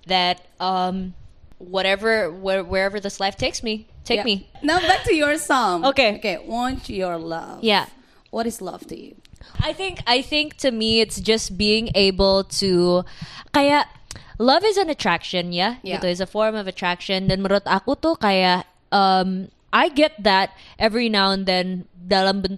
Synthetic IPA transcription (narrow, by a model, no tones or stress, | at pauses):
ðɐt̪̚ʔʌ̃mwʌɾɛvə˞wɛwɛ˞ɛvə˞ðɪslaɪft̪ʰeɪksmit̪ʰeɪminabæk̚tʰɨjə˞sɔ̃mokeokeɪwɑ̃nt͡ʃjɔ˞lʌ̰vja | wʌɾɨzlʌ̰v̥tʰɨ̰jʉ̰ʔajθɪ̃ŋkajθɪ̃ŋk̚t̪ʰɨmiɪt̪sd͡ʒɐst̚biɪ̃ŋeɪbəlt̪ʰu | kɐjaʔlɐvɨzɨ̃nɐt̪ɹakʃɔ̃njajɪt̪oɪsɐfɔɹmɔvɐt̪ɹakʃɔ̃nd̪ɛnmɐɾot̪akot̪okɐjaʔ | ʔɐm | ʔaɪɡɛt̪̚ðɐt̪̚ʔɛvɹinawɛ̃nd̪ɛ̃nd̪alɐ̃mbʊn